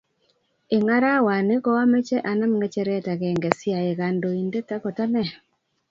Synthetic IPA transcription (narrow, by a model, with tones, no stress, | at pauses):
ɪ˨ŋa˦ɾa˦wa˨nɪ˦kɔ˦wa˦mɛ˦t͡ʃɛ˦ʔa˨na˦mɡɛ˦t͡ʃɛ˨ɾɛ˦˨ta˨ɡɛ˨ŋɡɛ˨sɪ˦a˨je˨ɣa˨ndo˨i˨nde˦ta˦kɔ˨ta˦nɛ˨